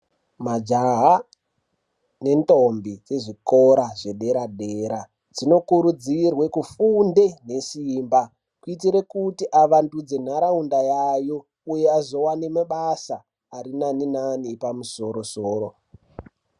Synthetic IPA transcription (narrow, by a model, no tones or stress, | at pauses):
mad͡ʒaɦa | ne̞nto̞mbit͡se̞ʐikoɾaʐe̞ɗe̞ɾadʱe̞ɾa | d͡zino̞kuɾud͡zirwe̞kufunde̞ne̞simba | kuit̬iɾe̞kutiʔaʋandud͡ze̞n̤aɾaundajajo̞ | uje̞azo̞wanemaɓasaː | ɾinaninanipamuso̞ɾo̞soːɾo̞